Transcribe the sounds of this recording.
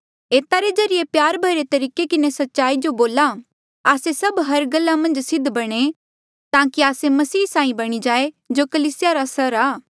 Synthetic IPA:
eːt̪aɾezɐɾɪepjaːɾbʱɐiɾet̪ɐɾiːkekɪnesɐtːʃaːid͡ʒoboːla | aːsesɐbɦɐɾɡɐlːamɐ̃nd͡ʒsɪd̪ʱbɐɽ̃e | t̪ãːkiaːsemɐsiːsãːĩbɐɽ̃id͡ʒaːe | d͡ʒokɐliːsɪjaɾasɐɾaː

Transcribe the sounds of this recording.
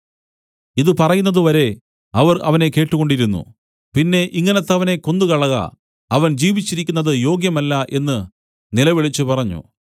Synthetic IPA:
iðɨpɐrɐjunːɐðɨʋɐɾe̞ | ɐʋɐrɐ̰ʋɐne̞ke̞ːʈːuɣo̞ɳɖiɾunːṵ | pinːe̞ʔiŋːɐnɐt̪ːɐʋɐne̞ko̞nd̪ukɐɭɐɣɐ̰ | ɐʋɐnd͡ʑiːʋit͡ɕːiɾikʲːunːɐðɨjo̞ːɡjɐmɐlːɐʔe̞nːɨ | nilɐʋiɭit͡ɕːɨpɐrɐɲːṵ

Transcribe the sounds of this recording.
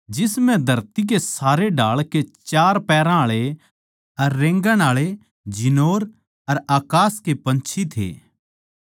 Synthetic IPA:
d͡ʒɪsmɛ̃d̪ʱɐɾt̪ik̬esaːɾeɖaːɭket͡ʃaːɾpɛːɾãaɭe | ɐɾːẽːŋɡə̃ɽ̃aːɭe | d͡ʒɪnoːɾ | ɐɾaːkaːskepɐ̃nt͡ʃʰit̪ʰḛː

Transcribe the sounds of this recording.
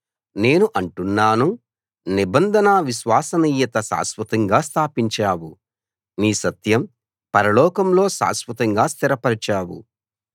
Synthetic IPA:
ne̞ːnuʔɐɳʈunːaːnu | nibɐnd̪ʱɐnaʋiʃʋaːsɐniːjːɐt̪ɐsa̰ːsʋɐt̪ɐŋɡaːst̪ʰaːpiɲt͡ʃaːwu | niːsɐt̪jɐm | pɐɾɐlɔːkɐmlo̞ːʃa̰ːsʋɐt̪ɐŋɡaːst̪iɾɐpɐɾit͡ʃaːwṵ

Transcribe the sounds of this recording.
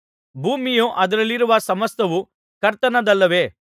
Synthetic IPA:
bʱuːmijoʔɐd̪ɐɾɐlːiɾuʋɐsɐmɐst̪ɐʋu | kɐɾt̪ɐnɐd̪ɐlːɐʋe̞ː

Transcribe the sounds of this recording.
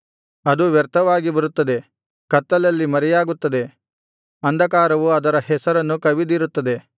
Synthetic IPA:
ɐd̪uʋɛɾt̪ɐʋaːɡibɐɾut̪ːɐd̪e̞ | kɐt̪ːɐlɐlːimɐɾɛjaːɡut̪ːɐd̪e̞ | ɐnd̪ʱɐkaːɾɐʋuɐd̪ɐɾɐhɛsɐɾɐnːukɐʋid̪iɾut̪ːɐd̪e̞

